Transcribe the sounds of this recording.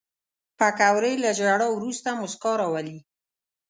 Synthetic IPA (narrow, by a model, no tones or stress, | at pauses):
pakawɾəjlad͡ʒaɽawɾust̪amʊskɑɾawali